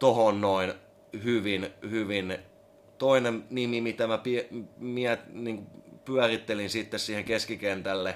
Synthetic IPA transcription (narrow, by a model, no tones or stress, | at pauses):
t̪ohonnoin | hyʋinhyʋin | t̪oinemnimimit̪æmæpiɛmiæniːŋkupyærit̪ːelinsit̪ːessiːheŋkeskikent̪ælːe